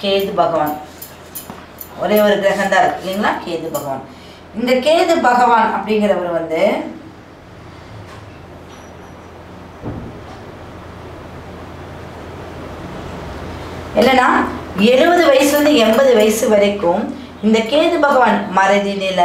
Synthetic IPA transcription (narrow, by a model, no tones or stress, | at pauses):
keːðɯbɐɣɐʋaːn | ɔɾeːɔɾɯkɪɾɐsɐnd̪aːɾklːiŋɡɐlaːkeːðɯbɐɣɐʋa̰ːn | ɪnd̪ɐkeːðɯbɐɣɐʋaːnɐpːɐɽɪŋɡɐɾɐʋɐɾɯʋɐnd̪ɯ | ɛlːɐnːaːɛɻɯbɐðɯʋɐjɐsɯʋɐnd̪ɯɛmbɐðɯʋɐjsɯʋɐɾɐɪkːɯm | ɪnd̪ɐkeːðɯbɐɣɐʋaːnmɐɾɐɪðɪlɪlɐ